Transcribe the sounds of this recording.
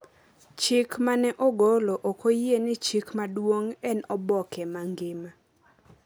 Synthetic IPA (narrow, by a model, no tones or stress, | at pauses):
t͡ʃɪkmanɛʔoɡoloʔokojenɪt͡ʃikmadwoŋɛnɔbɔkɛmaŋɡɪma